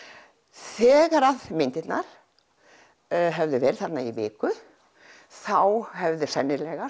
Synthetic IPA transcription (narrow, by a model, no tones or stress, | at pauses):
θɛːɣaɾaðmɪnt̪ɪt̪naɾ̥ | ɦɛvðʏvɛːɾlθat̪naivɪːkʏ | θawhɛvðɪsɛnːɪlɛɣa